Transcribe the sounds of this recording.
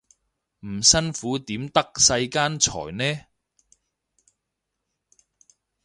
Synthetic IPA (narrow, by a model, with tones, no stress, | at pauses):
m̩˨˩sɐ˥nfuː˨˥t̪iː˨˥mt̪ɐ˥k̚sɐ˧jkaː˥nt͡sʰɔ̰ː˨˩jnɛː˥